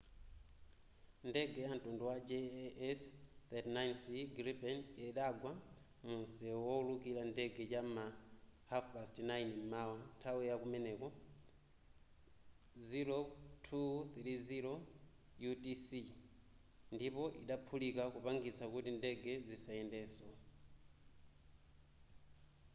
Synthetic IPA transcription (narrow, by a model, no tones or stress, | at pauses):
ndɛɡɛjan̩tunduwad͡ʒɛɛsθɛtnajnsiɡɾipɛnɛɗaɡwa | munsɛwɔulukilandɛɡɛt͡ʃamahafpastnajnmmawantʰawɛjakumɛnɛkɔ | ziɾotʰuθɾiziɾɔ | jutisi | ndipɔʔiɗapʰulikakupaŋɡit͡sʰakutindɛɡɛd͡zisajɛndɛsɔ